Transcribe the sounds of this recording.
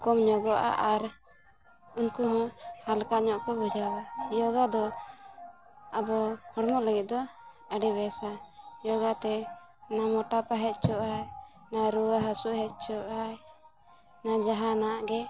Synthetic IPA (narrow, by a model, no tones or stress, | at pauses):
kɔmɲɔɡɔʔa̰ʔaɾ | unkuɦɔ̃halkaʔɲɔʔkɔbud͡ʒawajɔɡad̪ɔ | abɔhɔɽmɔʔləɡit̪̚ˀd̪ɔ | əɖibɛsajɔɡat̪ɛ | namɔʈapaɦɛt̪̚ˀt͡ʃʰɔʔa | naɾuwaɦasuʔhɛt̪̚ˀt͡ʃʰɔʔa | nad͡ʒaɦanaaʔɡɛ